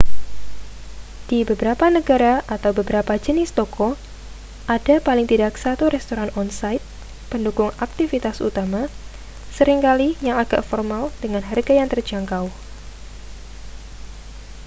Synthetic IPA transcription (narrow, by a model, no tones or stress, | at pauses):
d̥ibəbəɾapanəɡaɾaʔat̪awbəbəɾapad͡ʒənɪst̪okɔ | ʔadapalɪŋt̪idaksat̪uɾɛst̪oɾanɔnsajt̪̚ | pəndukʊŋak̚t̪ifit̪asṵt̪ama | səɾɪŋkalijaŋaɡ̥a̰ʔfɔrmald̥əŋanɦarɡajaŋt̪ərd͡ʒaŋkaw